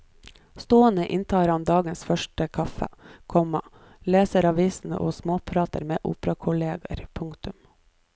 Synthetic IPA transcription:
st̪oːənəʔɪnt̪ʰɑːɾhɑnd̪ɑːɡənsfœʃʈəkʰɑfə̰kʰɔmɑ | leːsəɾɑʋiːsn̩ə̰ʔoːsmoːpʰɾɑːt̪ə̰ɾmeːʔṵːpɾɑkʰʊleːɡɑ̰ɾpʰʊŋkt̪ʉm

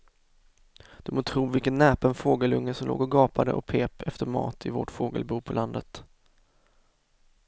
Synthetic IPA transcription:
d̪̥ɵmoːt̪ʰɾuːvɪlkənːɛːpənfoːɡəlɵŋːəsɔmlo̰ːɡɔɡɑːpad̪əʔɔpʰeːpʰɛft̪əɾmɑ̰ːt̪ʰɪvo̰ːʈfoːɡə̰lbuːpʰɔlʔand̪ət̪

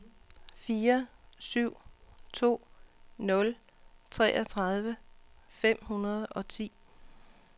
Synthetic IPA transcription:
fiːɐsyʊ̰t͡sʰo̝̰ːnɔ̽l | t͡sʰʁɛ̰ːʔɒt͡sʰʁɑ̈ð̞ˠʋəfem̰hunɐð̞ˠɒ̽t͡sʰḭː

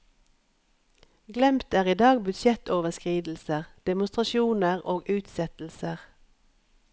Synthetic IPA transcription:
ɡlɛmt̪æːʁiːd̪ɑːɡbʏd̪ʃjɛt̪oːʋəskʁiːd̪l̩səʁd̪̥ɛmʊst̪ʁɑʃjuːnəʁoːɡʉːt̪sɛt̪l̩səʁ

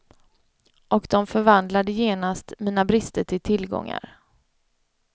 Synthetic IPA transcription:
ʔɔkd̪ɔmfœɾvand̪lad̪əjeːnast̪miːnabɾɪst̪əʈʰɪlt̪ʰɪlɡɔ̰ŋːa̰ɾ

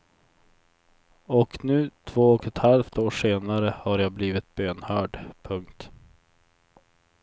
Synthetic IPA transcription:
ɔknʉ̟ːt̪ʰv̥oːɔkɛt̪halft̪oːʂeːnaɾəhaɾjabliːvɪt̪̚bøːnhœːɖpʰɵŋkt̪

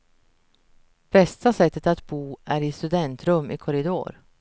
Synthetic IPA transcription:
b̥ɛst̪asɛt̪ːət̪at̪buːæɾɪst̪ɵd̪ɛnt̪ɾɵmːʔɪkʰɔɾɪd̪o̰ːɾ

